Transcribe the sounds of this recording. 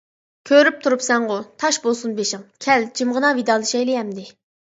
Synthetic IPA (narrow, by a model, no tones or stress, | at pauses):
kʲʰøɾyp̚t̪ʰuɾupsɛŋʁʊt̪ʰɑʃbolˠsunbeʃɪŋkʲʰɛld͡ʒʰimʁənɑvid̪ɑːlˠɨʃɛjlɪɦɛmd̪ɪ